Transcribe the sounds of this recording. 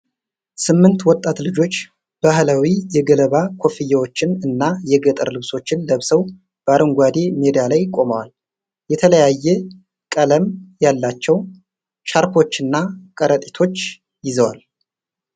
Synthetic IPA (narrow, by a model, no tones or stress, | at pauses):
sɨmːɨnt̪wɔt̪ʼːat̪lɨd͡ʒo̞t͡ʃː | b̥aɦlawijɛɡələβakʰo̞fijawo̞t͡ʃːɪnɨnːajɛɡət̪ʼə̰ɾlɨβso̞t͡ʃːɪnləβsəw | b̥əaɾəŋɡʷad̪e̞med̪ialajkʼo̞məwal | jɛt̪ʰələjajːɛ | kʼələmjalːat͡ʃːɛw | ʃaɾkʰo̞t͡ʃːɨnːakʼəɾət̪ʼit̪ʰo̞t͡ʃː | jɪzəwa̰l